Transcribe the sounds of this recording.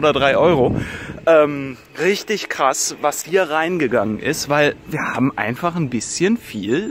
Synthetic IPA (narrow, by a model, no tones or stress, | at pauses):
dɐdʁaɪʔɔʏʁoʔɛːm | ʁɪçtɪçkʁ̥asvashiːɐʁaɪnɡəɡaŋənʔɪ̰stv̥aɪlviːɐhaːbm̩ʔa̰ɪnfaχnbɪsçənfiːl